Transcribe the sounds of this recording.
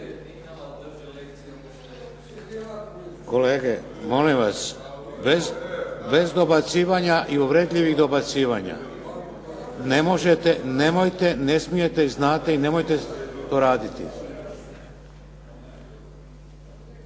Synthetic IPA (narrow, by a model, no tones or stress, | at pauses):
ko̞leːɡemo̞limʋasbezbe̞zd̪o̞bat̪siːʋaɲaʔiuʋɾe̞d̪ʎʲiʋiɣd̪o̞bat̪siːʋaɲa̰ | nemo̞ʒet̪ene̞mojt̪e̞ne̞smije̞t̪eznaːt̪eine̞mojt̪e̞t̪o̞ɾaːd̪it̪ḭ